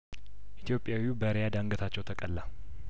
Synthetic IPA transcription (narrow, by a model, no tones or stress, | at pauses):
ʔit̪jo̞pʼːjawiubəɾejad̪aŋɡət̪ʰat͡ʃːɛwt̪ʰəkʼəlːa